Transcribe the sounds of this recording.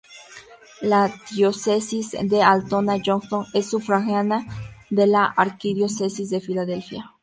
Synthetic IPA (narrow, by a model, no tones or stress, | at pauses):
lad̪josesisd̪ealt̪onad͡ʒoŋsoŋesːufɾaxjanaðelaʔaɾkiðjosesisðefilaðelfja